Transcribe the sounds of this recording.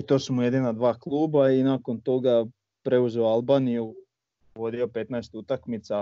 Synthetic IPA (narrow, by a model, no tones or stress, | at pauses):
it̪oːsumuje̞d̪inad̪ʋaːklˠuːbainako̞nt̪o̞ɡa | pɾe̞uzeoalˠbaːniju | ʋo̞d̪io̞pe̞t̪naest̪ut̪akmit̪sa